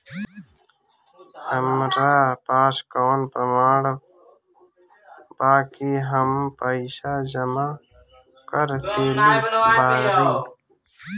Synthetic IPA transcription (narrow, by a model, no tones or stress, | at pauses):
həmɾaːpaːskəwnpɾəmaːɽə | baːkiɦəmpəisad͡ʒəma | kəɾt̪eːlibʱaːɾbiː